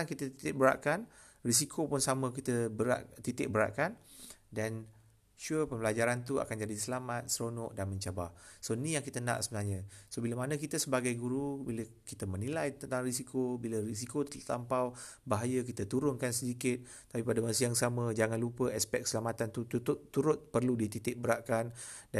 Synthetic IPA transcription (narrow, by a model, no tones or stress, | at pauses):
aŋkit̪ət̪i̥t̪ɪʔ̚bəɾa̰ʔkan | ris̬ikʰopʊnsamə̃kit̪əbəɾa̰ʔt̪it̪ɪʔ̚bəɾa̰ʔkandan | ʃupəmbəlad͡ʒaɾant̪ua̰kand͡ʒadisəlamat̪̚sɾonɔʔdanmə̃ɲt͡ʃabasoinĩjaŋkit̪ənã̰ʔsəbənarɲə̃sobiləmanə̃kit̪əsəbaɡajɡuɾubiləkit̪əmənilajt̪ənt̪aŋrisikobiləris̬ikot̪t̪ampawbaɦajəkit̪ət̪uɾʊnkansədikɪt̪̚ːapipadamas̬ijaŋsamə̃d͡ʒaŋanlupəɛspɛk̚səlamat̪ant̪ut̪utt̪ːuɾʊt̪̚pərludit̪it̪ɪʔ̚bəɾaʔkanda